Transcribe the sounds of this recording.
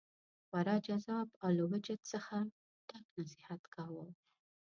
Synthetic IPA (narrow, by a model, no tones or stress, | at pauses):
waɾɑd͡ʒazɑbawlawad͡ʒat̪səxa | t̪ɑknasɪhat̪kɑwəw